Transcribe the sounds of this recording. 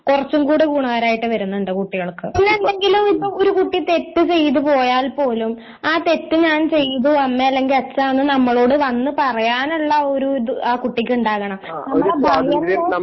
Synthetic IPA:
kurɐt͡ɕːumkuːɽekuːɳaːɾaːjiʈːɨʋɐɾunːuɳɖɐkuʈːiɣɐɭkːɨinːelːe̞ŋɡilumipːɐoɾukuʈːit̪e̞t̪ːɨt͡ɕe̞jt̪̬upo̞ːjaːlpo̞ːlum | aːt̪e̞t̪ːɨɲaːnt͡ɕe̞jt̪̬uɐmːeɐlːe̞ŋɡilɐt͡ɕːanːɨnɐmːɐɭo̞ːɽɨʋɐnːɨpɐrɐjaːnuɭːɐoɾuaːkuʈːikʲːuɳɖaːɣɐɳɐmnɐmːɐɭbɐŋɐː

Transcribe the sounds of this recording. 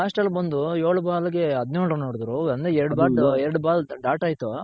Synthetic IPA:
aːsʈɐlbɐnd̪ujoːɭubaːlɐɡeɐd̪noːɭɾɐnoːɽd̪ɾuɐnd̪eɛɾɽubaːʈɛɾɐɽubaːlɖaːʈaːjt̪u

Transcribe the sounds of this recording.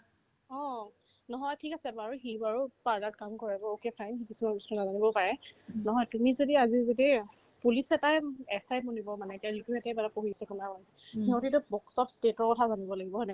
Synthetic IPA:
ɔ̃ | nɔɦɔjtʰikasɛbaɹuɦibaɹupaɹdat̚kamkɔɹɛbɔokepʰajnɦikisumabusnɔnazanibɔpaɹɛnɔɦɔjtumizodiazizodi | pulisɛtajɛsajmɔnibɔmanɛetijaɹituɦɛtɛbadapoɦisɛkɔnaman | heʊ̃titʊbɔksɔttetɔɹkɔtʰazanibɔlaɡibɔɦɔjnɛ

